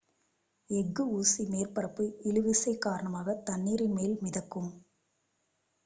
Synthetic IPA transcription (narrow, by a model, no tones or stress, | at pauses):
ɛɡːɯuːsimeːrpɐɾɐpːɯɪlɯʋɪsɐɪkaːɾɐɳɐmaːɣɐt̪ɐnːiːɾɐɪmeːlmɪðɐkːɯm